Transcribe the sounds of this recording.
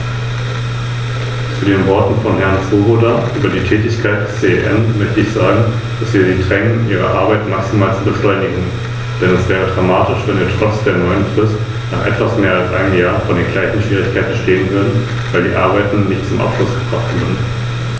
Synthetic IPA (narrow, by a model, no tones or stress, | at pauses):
t͡suːdeːnvɔɐtn̩fɔnhɛɐnt͡soːbodaʔyːbɐdiːtʰɛːtɪçkʰaɪt̚d̥ɛst͡seːɛʔɛ̰mmœçtəɪçz̥ɔɐɡŋ̩ | d̥asv̥iːɐdiːdʁɛŋənʔiːʁ̞ə̰ʔaɐbaɪtmaksimaːlt͡subəʃlɔʏnɪɡŋ̩ | d̥ɛnɛsv̥ɛːʁ̞ədʁamaːtɪʃv̥ɛnviːɐtʁ̥ɔt͡sd̥eːɐnɔʏənfʁ̥ɪst | naːχʔɛ̰tv̥asmeːɐalsʔa̰ɪnəmjaːɐfɔndeːnɡlaɪçn̩ʃv̥iːʁ̞ɪçkʰaɪt̚əʃteːənvʏɐdn̩ | vaɪldiːʔa̰ɐbaɪtn̩nɪçtt͡sʊmʔa̰ʊfʃlʊsɡ̥ətʁ̥aftv̥ɪːn